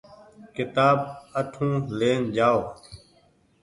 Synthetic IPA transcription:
kɪt̪aːbəʈʰũːleːnd͡ʒaːoː

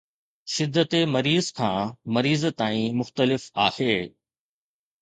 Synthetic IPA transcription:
ʃɪd̪ːət̪emɐɾiːzkʰãːmɐɾiːzt̪aːĩmʊxt̪əlɪfaːheː

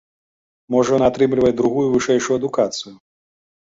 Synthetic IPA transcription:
mɔʐɐnat̪ɾɨmlʲivɐd̪ɾuɣujuvɨʂɛjʂujuɐd̪ukat̪sɨju

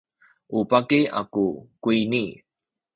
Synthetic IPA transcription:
ʔupakia̰kukuini

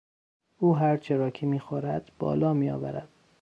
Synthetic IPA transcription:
uːɦæɾt͡ʃʰeɾɒːkʰemiːxoɾæd̪̥b̥ɒ̰ːlɒːmiːjɒ̰ːvæ̰ɾæd̪̥

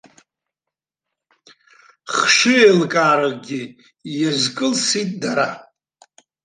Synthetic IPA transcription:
χʂɨelkʼaːɾɨɡʲɪ | jazkʼɨlsitʼdaɾa

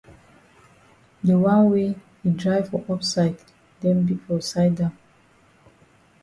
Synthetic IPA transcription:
dəwãnwe | idɹaɪvfɔʔɔpsaɪd | dɛ̃nbifɔsaɪdãm

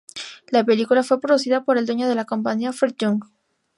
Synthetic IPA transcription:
lape̞likulafwe̞pɾoðusiðapo̞ɾeld̪we̞ɲo̞ðe̞lakompaɲiafeɾt̪uŋɡ

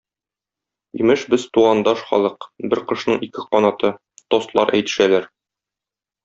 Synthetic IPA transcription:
ḭmɘʃbɘz̥t̪uʁɑnd̪ɑʃχɒ̰lˠɤqbɘɾqɤ̆ʃnɤɴikɘqɒnɑt̪ɤ | t̪ost̪lˠɑ̰ɾʔæ̰jt̪ɘ̥̆ʃælæɾ

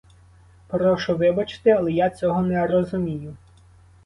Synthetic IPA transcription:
pɾɔʃʊʋɪbɐt͡ʃɪ̥t̪ɪɐlˠɛjat͡sʲɔɦɔnɛrɔzʊmʲijʊ

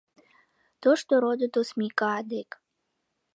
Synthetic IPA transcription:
t̪oʃt̪oɾod̪ət̪osmikɑːd̪ek

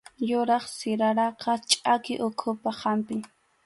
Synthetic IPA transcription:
jʊɾɑχsɪɾaɾɑqɑt͡ʃʼakɪʔʊkʰʊpahampɪ

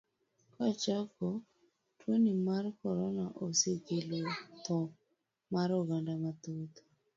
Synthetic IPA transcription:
kat͡ʃako | twonimarkɔɾɔnaʔosekelot̪ɔ | maɾoɡandamat̪ot̪o

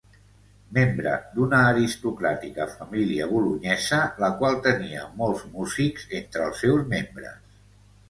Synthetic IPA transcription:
membɾə̰d̪unəːɾist̪ukɾat̪ikəfəmiliəβuluɲɛzələkwalˠt̪əniə̰mɔlˠzmuzikz̥ent̪ɾəlˠsːɛwzmembɾə̰s

